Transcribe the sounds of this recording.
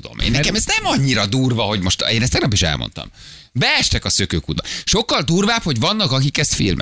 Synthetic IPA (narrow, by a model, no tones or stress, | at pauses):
ud̪o̰mʔḛːnːkɛmɛznɛmɒɲːiɾɒd̪uːrvɒɦo̞ɟmo̞ʃt̪eːnɛst̪ɛɡnɒpiʃɛ̰lmo̰nt̪ɒ̰m | bɛɛʃt̪ɛkɒsøkøːkuːd̪̚bɒʃo̞kːɒld̪uːrvaːpho̞ɟvɒnːɒkɒkikɛst̪fḭlmʔɛ̰